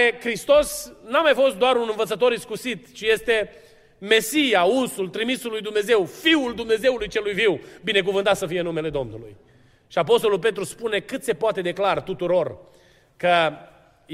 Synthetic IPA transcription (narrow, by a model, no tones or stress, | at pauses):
kɾist̪o̞snamajfo̞st̪̚d̪oaɾunɨnvət̪sət̪̬o̞ɾiskusit̪t͡ʃije̞st̪e̞ | me̞sijaunsult̪ɾimisulːujd̪umne̞ze̞wfiuld̪umne̞ze̞wulujt͡ʃe̞lujviwbine̞k̬uvɨnt̪at̪səfije̞nume̞le̞d̪o̞mnulṵj | ʃiapo̞st̪o̞lulp̬e̞t̪ɾuspune̞kɨt̪se̞poat̪e̞d̪e̞klart̪ut̪uɾo̞r | kə